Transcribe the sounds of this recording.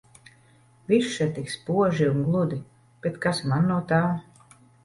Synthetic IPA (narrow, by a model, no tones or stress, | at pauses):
viʃːɛt̪ikspuɔʒiunɡlˠud̪i | b̥ɛt̪kasmanːuɔt̪aː